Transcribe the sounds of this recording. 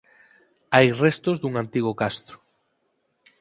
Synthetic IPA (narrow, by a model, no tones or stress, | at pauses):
ajrest̪ozd̪uŋãnt̪iɣ̞okast̪ɾo̥